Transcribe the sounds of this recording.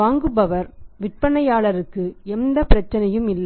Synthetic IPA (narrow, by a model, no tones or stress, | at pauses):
aːŋɡɯbɐʋɐɾʋɪʈ̚pɐɳɐjaːɭɐɾɯkːɯɛnd̪ɐpɪɾɐt͡ʃːɐnɐjɯmɪlː